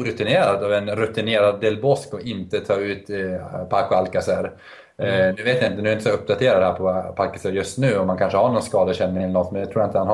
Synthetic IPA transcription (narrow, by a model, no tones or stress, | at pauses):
ɾɵt̪ɪneːɾad̪avɛnɾɵt̪ɪneːɾad̪ːɛlbɔskɔʔɪnt̪ət̪ʰɑːʉ̟ːt̪pʰakʊalkasæɾ | nʉ̟ːveːt̪jaɪnt̪ənʉ̟ːɛɪnt̪əsaɵp̚ːd̪at̪ʰeːɾad̪ɛhæːɾpʰɔpʰalkːaseɾjɵst̪nʉ̟ːɔmːankʰanʂəhaɳɔnskɑːd̪əɕɛnːɪŋɛlnɔt̪ːmɛnɛt̪ɾuːjaɪnt̪əhanh